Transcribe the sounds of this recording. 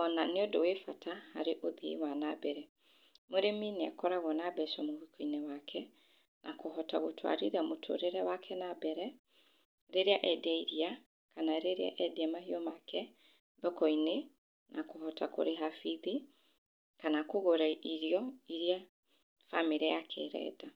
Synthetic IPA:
ɔnaneodowefatʰahaɾeʔoðḭwanabɛɾɛ | moɾeminea̰kɔɾaɣɔnabɛʃamowikʰɔinɛwakʰɛ | nʔakoɦɔtaɣotʰwa̰ɾiɾamotʰo̰ɾeɾɛwakʰɛnabɛɾɛ | ɾeɾeaʔɛdɛiɾia | kanaɾeɾea̰ʔɛdeamahiɔmakʰɛ | ðɔkɔine | nʔakohɔtako̰ɾeɦafiði | kanakoɣoɾaʔiɾijɔiɾia | famiɾajakʰeɾɛ̰da

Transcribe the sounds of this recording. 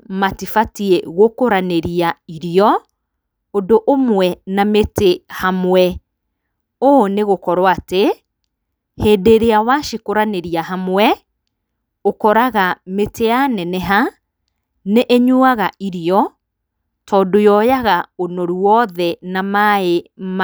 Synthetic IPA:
matifatiɛɣokoɾaneɾiaiɾiɔ | odoʔomwɛnametehamwɛ | oneɣokɔɾwate | heːdeɾeawaʃikoɾaneɾiaɦamwɛ | okɔɾaɣameteanɛnɛɦa | neʔeɲuaɣaiɾiɔ | tɔːdojɔjaɣaonɔɾuɔðɛnamaem

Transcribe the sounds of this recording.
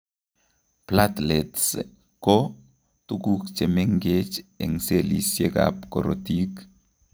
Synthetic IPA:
plat̪lets | ko | tukukt͡ʃemeŋɡet͡ʃeŋselisjeɡa̰pko̰ɾo̰tik

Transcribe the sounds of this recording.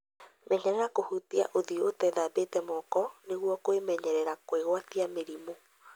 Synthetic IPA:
mɛɲɛɾɛɾakohutia̰ʔoðiotɛðabetɛmɔkɔneɣwɔkoemɛɲɛɾɛɾakweɣwatiameɾimo

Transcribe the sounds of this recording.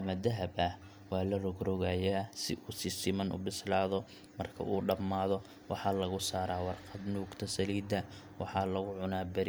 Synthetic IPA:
ɐmɐd̪ɐɦɐbɐh | wɑːlɐrɔɡɾɔɣajaːsɪ̰ʔuːsɪsɪmɐnʔʊ̰bɪslaːðɔ | mɐrkʰɐ̰ʔuːɖɐmːaːðɔ | wɑħɑːlɐɣʊsaːɾaːwɑrqɑd̪nuːɡt̪ʰɐsɐliːd̪ɐ | wɑħɑːlɐɣʊʕʊnaːbɐɾɪ

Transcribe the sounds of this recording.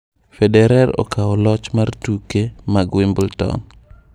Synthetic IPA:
fɛdɛɾaɾɔ̰kaɔlɔt͡ʃmartukemaɡwɪmbultɔ̰n

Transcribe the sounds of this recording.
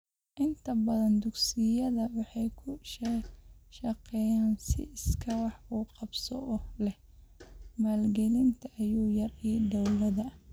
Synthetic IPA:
ʔɪnt̪ʰɐbɐðɐnd̪ʊɡsɪjɐðɐwɑħɑjkʰʊʃ | ʃɐqɛjaːnsɪ̰ɪskʰɐwɑħuːqɑbsɔʔɔlɛh | maːlɡɛlɪnt̪ʰɐʔɐjuːjɐriːɖɐwlɐðɐ

